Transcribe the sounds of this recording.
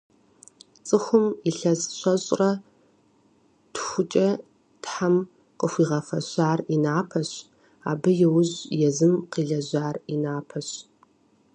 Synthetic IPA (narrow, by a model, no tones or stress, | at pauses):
t͡sʼɨxʷʊmiɬɐzɕʷɐɕʼrɐ | txʷʊt͡ʃʼɐ | tħam | qəxʷiːʁɐfɐɕʷaːrinaːpʰɐɕ | a̰ːbɐjɛwʊʑjɛzɨmqiːɮɐʑʷaːrinaːpʰɐɕ